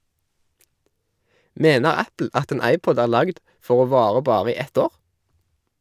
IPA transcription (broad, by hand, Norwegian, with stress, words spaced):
ˈmeːnəʁ ˈæpl̩ ˈɑt ˈeːn ˈɑɪˌpɔd ˈæːʁ ˈlɑɡd ˈfɔʁ ˈoː ˈʋɑːʁə ˈbɑːʁə ˈiː ˈɛt ˈoːʁ